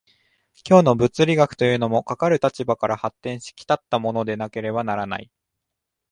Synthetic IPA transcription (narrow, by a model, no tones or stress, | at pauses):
kʲo̞ːno̞bɯ̟t͡sɨɾʲiɡakɯ̟̥t̪o̞jɯ̟ːno̞mo̞kakaɾɯ̟t̪at͡ɕibakaɾahat̪ːẽ̞ɰ̃ɕi̥kʲi̥t̪at̪ːamo̞no̞d̪e̞nake̞ɾe̞banaɾana̰i